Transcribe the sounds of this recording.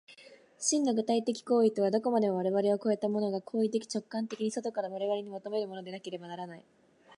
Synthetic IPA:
ɕĩnːoɡɯ̟t̪ait̪e̞kʲi̥ko̞ːit̪o̞β̞ad̪o̞ko̞mad̪e̞moβ̞aɾe̞βaɾe̞o̞ko̞e̞t̪amo̞no̞ɡakʰo̞ːit̪e̞kʲi̥t͡ɕo̞kːãnt̪e̞kʲiɲ̟iso̞t̪o̞kaɾaβaɾe̞βaɾe̞ɲ̟imot̪o̞me̞ɾɯ̟mo̞nod̪e̞nake̞ɾe̞banaɾanai

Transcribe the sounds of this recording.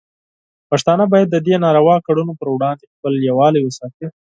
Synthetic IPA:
paʂt̪ɑnabɑjad̪ːəd̪enɑɾawɑkaɽunopəɾwɽɑnd̪expəljawɑlajwesɑk̪i

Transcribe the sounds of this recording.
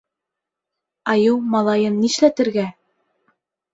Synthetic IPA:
ɑjɤwmɑlˠɑjɤnːiʃlæt̪ɘ̆ɾɡæ

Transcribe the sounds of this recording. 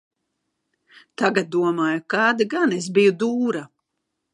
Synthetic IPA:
t̪aɡat̪̚d̪uɔmaːjukaːd̪iɡanes̬bijud̪uːɾa

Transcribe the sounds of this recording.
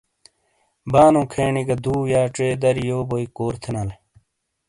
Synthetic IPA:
baːnõːkʰeːɳiɡɐd̪uːjaːʈ͡ʂeːd̪ɐɾijoːboikoːɾt̪ʰenɐle

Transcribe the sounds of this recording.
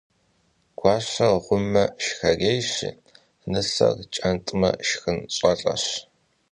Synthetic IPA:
ɡ̥ʷɑːɕɐʁʷʊmːɐʃxɐrejɕɪ̰ | nɨɬɐ̰rt͡ʃʼɐntʼɨmɐ̰ʃxɨnɕʼɐɬʼɐ̰ɕ

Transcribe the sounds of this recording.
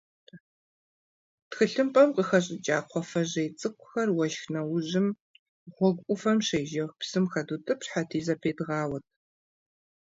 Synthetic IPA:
txɨɬɨmpʼɐmqəxɐɕʼɪt͡ʃʼaːqʷʰɔfɐʑɐjt͡sʼɨkʷʰʼʊxɐrwɐʃxnɐwʊʑɪm | ʁʷɔɡʷʼʊfɐmɕejʒɐxpsɨmxɐdutʼɨpɕħatʰiːzɐpʰeːdʁɑːwɐt̚ʰ

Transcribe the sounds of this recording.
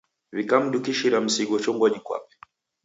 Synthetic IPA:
βikam̩ɗukiʃiɾam̩siɡɔt͡ʃɔŋɡɔɲikwa̰pɛ̥

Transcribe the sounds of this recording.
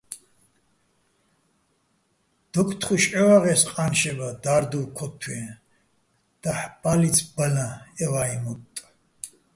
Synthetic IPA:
d̪̥ɔkʰʼt̪ʰχuʃʼɛwaʁɛsqʼanʃɛbad̪aɾd̪uwkʰɔt̪ʰːɛ | d̪̥aħb̥alit͡sʰbalãɛvaimɔt̪ʼ

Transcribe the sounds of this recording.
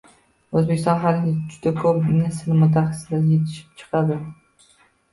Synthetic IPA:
ɵzbekʲɪst̪ɒnɦalɪnʲɪd͡ʒʊd̪akʰɵpnɪsɪnmʊt̪ʰːaχɑsɪd̪ajet̪ʰɪ̥ʃɪ̥p̚t͡ʃʰɨ̥qʰɑd̪ɪ

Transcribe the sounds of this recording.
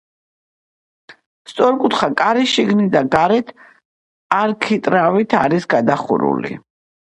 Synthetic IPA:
st̪sʼɔɾkʼut̪χakʼaɾiʃiɡnid̪aɡaɾɛt̪ʰ | aɾkʰit̪ʼɾavit̪ʰaɾisɡad̪aχṵɾṵlḭ

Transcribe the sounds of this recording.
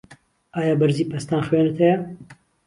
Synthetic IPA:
aːjaːbɐɾziːpɐst̪aːnxweːnɨt̪ʰɐjɐ

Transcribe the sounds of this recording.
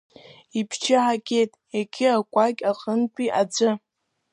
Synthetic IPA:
ipʰt͡ʃʰɪħakʲʼejtʼjakʲʰɪakʷʼakʲʼaqʼəntʷʰʼiʔad͡ʒʷɨ

